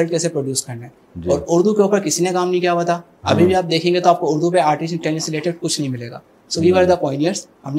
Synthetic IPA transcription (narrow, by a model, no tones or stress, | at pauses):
lɖ̚keːsepɾoːɖjuːskɐɾnaɦɛː | d͡ʒɔːɾʊɾd̪ʱukeuːpəɾkɪsinekaːmnɐɦĩkijabɐt̪a | ɐbʱibʱiaːp̚d̪eːkʰẽːŋɡet̪oaːp̚koʊɾd̪upeaːɾʈɪsʈɛːnisɪleːʈɪɖ̚kʊt͡ʃʰnɐɦĩmɪleːɡa̰ː | sɐbiʋaɾed̪apɔːɪ̃nijəɾsɦɐmn